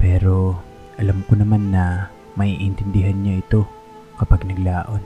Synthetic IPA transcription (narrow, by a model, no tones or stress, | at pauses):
pɛːɾo̞ | ʔɐlamkonɐmanːɐ | mɐʔiʔɪnt̪ɪnd̪ɪɦanɲaʔɪt̪o̞ | kɐpaɡ̚nɐɡlaːʔo̞n